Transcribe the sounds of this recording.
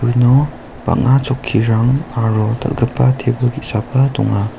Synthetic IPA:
ɯnɔ | pa̰k̚ŋat͡ʃɔkʰːiɾaŋaɾɔt̪ʰa̰t̚ɡəpːat̪ʰebɯɡisapat̪ɔ̰ŋa

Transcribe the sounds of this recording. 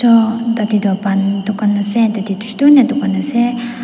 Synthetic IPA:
ɔt̪at̪id̪uapant̪ukanasɛnt̪at̪it̪u̥ʃt̪unɛt̪ukanasɛ

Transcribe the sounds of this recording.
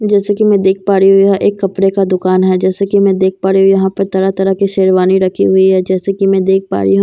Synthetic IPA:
d͡ʒɛːsekimɛ̃ːd̪eːk̚ʰpaːɾiɦʊiɦɛʔeːkːɐpɽekad̪ʊkaːnɦɛd͡ʒɛːsekimɛ̃d̪eːk̚ʰpaːɾiɦujɐɦãpɐɾt̪ɐɾat̪ɐɾakiʃeːɾʋaːniɾɐkʰḭɦʊiɦɛːd͡ʒɛːsekimɛ̃d̪eːk̚ʰpa̰ːɾḭɦũ

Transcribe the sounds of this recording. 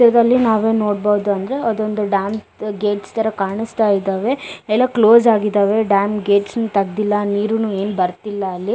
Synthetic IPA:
t̪iɾɐd̪ɐlːinaːʋe̞ːno̞ːɽbɐːd̪uɐnd̪ɐɾe̞ɐd̪o̞nd̪uɖaːm | ɡeːʈst̪ɐɾɐkaːɳist̪aːjid̪aːʋe̞ɛlːɐkloːzaːɡid̪aːʋe̞ɖaːmɡeːʈsnut̪ɐɡd̪ilːɐniːɾunuːe̞ːnbɐɾt̪ilːɐːlːi

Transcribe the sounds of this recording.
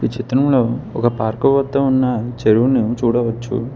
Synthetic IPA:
it͡ʃʰit̪ɾɐmlo̞ːɔkɐpaːɾkɐʋɐt̪ːɐunːɐt͡ʃeɾuʋuneːut͡ʃuːɽɐʋɐt͡ʃːṵ

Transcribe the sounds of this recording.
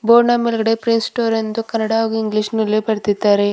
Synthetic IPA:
boːɾnamilɡɐɽepɾinsʈoːɾend̪ukɐnːɐɽaɐɡuiŋɡliʂnulːepɐɾt̪id̪ːaːɾe

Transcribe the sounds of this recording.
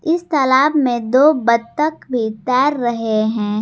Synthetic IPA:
ɪst̪ɐlaːbmẽd̪oːbɐd̪̚t̪əkbʱit̪ɛːɾːɐɦeɦɛ̃ː

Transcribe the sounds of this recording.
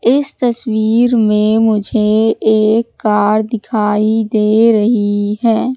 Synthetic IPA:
ɪst̪ɐswiːɾmẽmʊd͡ʒʱeeːkːaːɾd̪ɪkʰaːid̪eːɾɐɦiɦɛː

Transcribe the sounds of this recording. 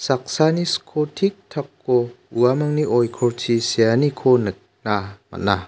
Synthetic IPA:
sak̚saniskʰotʰik̚tʰakʰːo | uamaŋniʔɔjkʰɔɾtʰisijanikʰonɯk̚ | namɐ̰na

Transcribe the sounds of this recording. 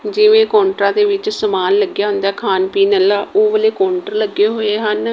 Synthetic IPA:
d͡ʒɪʋẽːkɔ̃ːɳʈɾãːd̪eːʋɪt͡ʃsəmaːnləɡjaːɦʊ̃nd̪aːkʰaːnpiːnəlaːʔoːʋəleːkɔːɳʈəɾləɡːeːɦoːeːɦən

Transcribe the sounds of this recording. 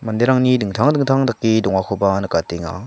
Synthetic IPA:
mandeɾaŋɲidɯŋtʰaŋdɯŋtʰaŋtak͈ːid̪oŋakʰobanɯk͈at͈iŋa̰

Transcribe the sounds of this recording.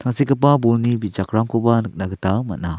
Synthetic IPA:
t̪ʰaŋsikəp̬abulnibit͡ʃakɾaŋkubanɯk̚naɡətama̰t̚na

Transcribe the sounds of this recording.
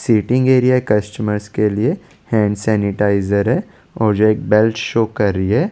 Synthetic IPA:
siːʈɪ̃ŋɡeːɾijaekɐsʈəməɾskelie | hɛ̃ːɳɖsɛːnɪʈaːɪzəɾɦɛ | ɔːɾd͡ʒoeːk̚bɛlʈʃoːkɐɾːiɦɛː

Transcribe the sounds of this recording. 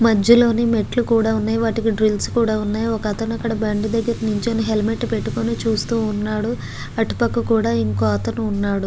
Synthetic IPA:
mɐd͡ʒjɐlo̞ːnime̞ʈlukuːɽaːunːaːjiʋaːʈikiɖɾilskuːɽaːunːaːjiɔkɐɐt̪ɐnɐkːɐɽɐbɐɳɖud̪ɐɡːɐɾɐnuɲt͡ʃenuɦe̞lme̞ʈːpe̞ʈːukonit͡ʃuːst̪uːnːaːɽu | ɐʈu̥pɐkːɐkuːɽaːiŋkoːɐt̪ɐnuːnːaːɽu

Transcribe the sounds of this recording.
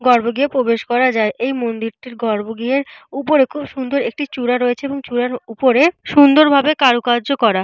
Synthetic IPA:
ɡɔɾboɡiepɾobeʃkɔɾad͡ʑaeʔejmond̪iɾʈiɾɡɔɾboɡieɾupoɾekʰubʃund̪oɾek̚ʈit͡ɕuɾaɾoet͡ɕʰeeboŋt͡ɕuɾaɾupoɾeʃund̪oɾbʱabekaɾukaɾd͡ʑokɔɾa

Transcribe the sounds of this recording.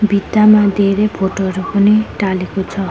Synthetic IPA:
bid̪amad̪eɾepʰoʈoɾupɔniʈalekot͡sʰʌ

